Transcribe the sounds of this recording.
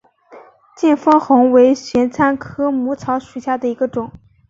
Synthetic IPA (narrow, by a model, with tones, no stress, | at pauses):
t͡ɕjɛ˥˩nfɤ˥ŋxʊ˧˥ŋwe˧˥ɪɕɥɛ˧˥nt͡sʰa˥nkʰɤ˥mu˧˥t͡sʰɑ˧˥ʊʂu˨˩ɕja˥˩d̪ə˩i˧˥ɡə˧ʈ͡ʂʊ˨˩˦ŋ